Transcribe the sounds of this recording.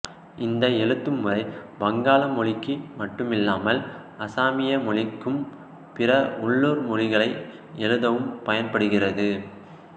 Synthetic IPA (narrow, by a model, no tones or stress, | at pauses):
ʔɪnd̪ɐɛɻɯt̪ːɯmɯrɐɪbɐŋɡaːlɐmɔɭɪkːimɐʈːɯmɪlːaːmɐl | ɐsaːmɪjɐmɔɭɪkːɯm | pɪrɐʊɭːuːɾmɔɻɪɣɐɭɐɪ | ɛɻɯðɐʋɯmpɐjɐnpɐɽɯɣɪrɐðɯ